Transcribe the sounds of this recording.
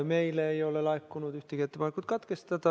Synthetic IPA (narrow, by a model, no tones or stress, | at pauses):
me̞jleːjo̞lelɑekːunud̪yht̪eɡiet̪ːepɑnekːˑut̪̚kɑt̪ke̞st̪ɑd̪̥ɑ